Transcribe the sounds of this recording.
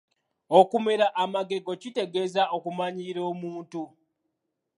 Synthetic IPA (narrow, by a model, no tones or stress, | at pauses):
okume̞ɾaʔamaɡe̞ɡo̞cite̞ɡe̞zaʔo̞kumaɲiɾo̞ːmuːntu